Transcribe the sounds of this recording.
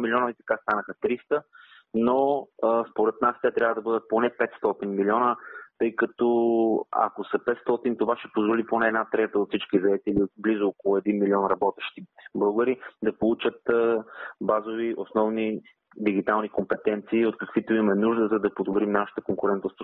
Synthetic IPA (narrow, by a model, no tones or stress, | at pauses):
milʲiɔnəit̪ɐ̥kast̪anəxət̪ɾist̪ə | noəspoɾɛt̪̚nast̪ʲɛt̪ɾʲavəd̪ɐbɤd̪ət̪̚ponɛpɛt̪st̪ɔt̪inmilʲiɔnət̪ɤjkɐt̪ɔa̰kosɐpɛt̪st̪ɔt̪int̪ovaʃɛ̥pozvoliponɛːd̪nat̪ɾɛt̪əot̪fsit͡ʃkizɐɛt̪ɛliblizookolˠʊɛd̪inmiliɔnɾɐbɔt̪ɛʃt̪it̪bəɡəɾid̪ɐpolˠut͡ʃət̪ | bazoviʔosnɔvni | d̪iɡ̟it̪alˠnikompɛt̪ɛnt̪siːot̪kɐkv̥it̪oimɛnuʒd̪əzɐd̪ɐpod̪obɾimnaʃə̥t̪əkoŋkʊɾɛnt̪ost̪v